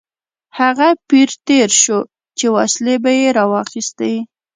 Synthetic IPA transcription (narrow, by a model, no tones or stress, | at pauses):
haɣapiɾt̪eɾʃo | t͡ʃewɑslebajeɾɑwɑxist̪awi